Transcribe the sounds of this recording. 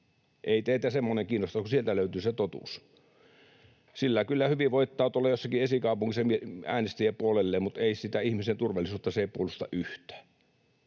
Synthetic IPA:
ʔeˑit̪eˑit̪æsemːoneŋkiːnost̪ɑkusielt̪æløyt̪yːset̪ot̪ṵs | silːækylːæhyʋiʋoˑit̪ːɑˑːt̪olːɑjosːɑkiesikɑˑupuŋkisːɑmieæ̰ːnest̪iepuolelːeːmut̪eisit̪æihmisent̪urʋɑlisuːt̪ːɑseeˑipuolːˑust̪ɑ̰ʔyht̪ˑæ̥ː

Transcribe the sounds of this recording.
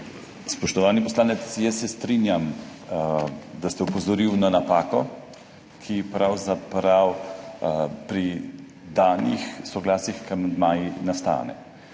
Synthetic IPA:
spɔʃt̪ɔʋaːnipɔslaːnɛt̪sjɛsːɛst̪ɾinjam | d̪ast̪ɛupɔzɔɾiwnanapaːkɔ | kʰipɾawzapɾaw | pɾi | d̪aːnixsɔɡlaːsixkamd̪majinast̪a̰ːnɛ̰

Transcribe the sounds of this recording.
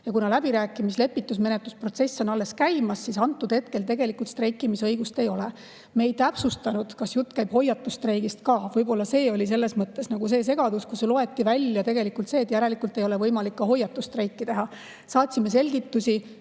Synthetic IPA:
jɑkunɑlæb̥iɾæːkːˑimisle̞pːit̪ːˑus̬me̞net̪luspro̞t̪se̞sːo̞nɑlːe̞skæjmɑsːisɑnt̪ːˑud̪̥he̞t̪̚ke̞lt̪e̞ɡe̞likːˑult̪st̪re̞jkːˑimisɤjɡ̥ust̪e̞jo̞le | mejt̪æpsust̪ɑnud̪̥kɑsjut̪ːˑkæjb̥ho̞jɑt̪ːˑust̪rɾejɡ̥ist̪̚kɑːvɤjbo̞lːɑse̞ːo̞lʲis̬e̞lːe̞smɤt̪ːe̞snɑɡ̥use̞ːs̬e̞ɡ̥ɑd̪̥uskuselo̞e̞t̪ːivælʲjɑt̪e̞ɡe̞likult̪se̞ːt̪jæɾe̞likˑult̪ːˑe̞jo̞levɤjmɑlikːɑɦo̞jːɑt̪ːˑust̪rejkːit̪e̞ɦɑ | sɑːt̪ʲsimːese̞lʲɡit̪ːusʲi

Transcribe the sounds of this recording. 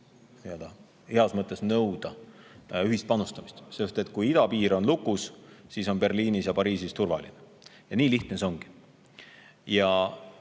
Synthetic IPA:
t̪eɑd̪̥ɑ | heɑsmɤt̪ːˑe̞snɤwd̪̥ɑ | yɦist̪̚pɑnust̪ɑmist̪sest̪et̪̚ːkujid̪̥ɑpiːɾo̞nlukːˑussiso̞npe̞rliːnisjɑpɑɾiːsist̪urvɑ̰lḭne | jɑniːliht̪neso̞ŋɡ̥i̥ | jɑ

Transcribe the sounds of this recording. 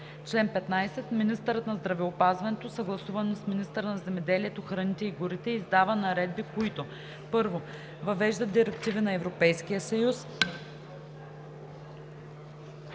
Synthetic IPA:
t͡ʃlɛnpɛt̪najsɛt̪minist̪əɾət̪nɐzd̪ɾɐvɛopazvɐnɛt̪osɐɡlˠɐsuvɐnsminist̪əɾənɐzɛmɛd̪ɛliɛt̪oxɾɐnit̪ɛiɡʊɾit̪ɛizd̪avənɐɾɛd̪̚bikoit̪o | pɤɾvo | vɐvɛʒd̪əd̪iɾɛkt̪ivinɐɛvɾopɛjskijəsɐjus

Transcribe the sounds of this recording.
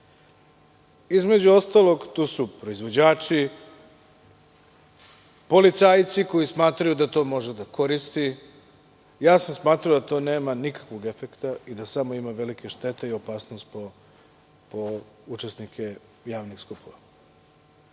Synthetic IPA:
izme̞d͡ʑuo̞st̪alˠo̞ɡt̪uːsupɾoizʋo̞d͡ʑaːt͡ʃi | po̞lit̪saːjt̪siko̞jismaːt̪ɾajud̪at̪o̞ːmo̞ʒed̪ako̞ɾist̪i | jaːsamsmaːt̪ɾaod̪at̪o̞ːneːmanikḁkʋo̞ɡe̞fekt̪aid̪asamo̞imaʋe̞likeʃt̪e̞t̪eio̞paːsnost̪po | pout͡ʃesnikʰe̞ | jaːʋnixskupoʋa

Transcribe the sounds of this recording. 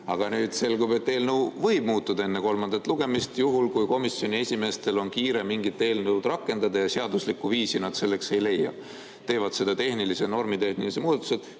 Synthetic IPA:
ɑɡ̥ɑnyːd̪̥se̞lɡube̞t̪ːe̞ːlnɤwvɤjb̚muːt̪ːˑud̪ɑe̞nːeko̞lmɑnd̪ɑt̪ːˑluɡ̥e̞mist̪juɦulkujko̞misːjo̞nʲie̞sʲime̞st̪e̞lo̞nkiːɾe̞miŋɡit̪ːˑe̞ːlnɤuwd̪rɑkːˑe̞nd̪̥ɑd̪ɑjɑseɑd̪uslikːuviːsinɑd̪̥se̞lːe̞kse̞jle̞jːɑ̰ | t̪e̞ːvɑd̪̥se̞d̪̥ɑt̪e̞hnilise̞no̞rmit̪e̞hnilisemuːd̪ɑt̪ːˑu̥sed̪̥

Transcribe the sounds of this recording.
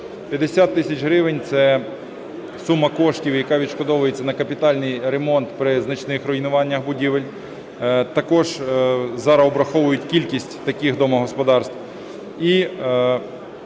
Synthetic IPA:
pʲjɐd̪esʲat̪ːɪsʲɐt͡ʃɦɾɪʋenʲt̪sɛ | sumːɐkɔʃtʲiwjɐkɑʋʲid̪ʃkɔd̪ɔʋʊjet͡sʲːɐnɐkɐpʲit̪ɑlʲnɪjɾemɔnt̪pɾɪznɐt͡ʃnɪxɾɔjnʊʋɑnʲːɐxbʊdʲiʋelʲ | t̪ɐkɔʒzɐɾɐɔbɾɐxɔʋʊjʊtʲkʲilʲkʲisʲtʲt̪ɐkʲixd̪ɔmɔɦɔspɔd̪ɑrst̪ʋ | i

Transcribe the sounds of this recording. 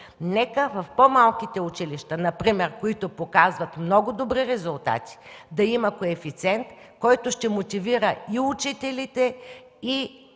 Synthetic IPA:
nɛkəvɐfpomalˠkit̪ɛʊt͡ʃiliʃt̪ənɐpɾimɛɾkoit̪opokazvɐt̪mnɔɡʊd̪obɾiɾɛzʊlˠt̪a̰t̪i̥d̪ɐimɐkoɛfit̪sʲɛnt̪ | kɔjt̪ʊʃt̪ɛmot̪iviɾəiut͡ʃit̪ɛlit̪ɛ | i

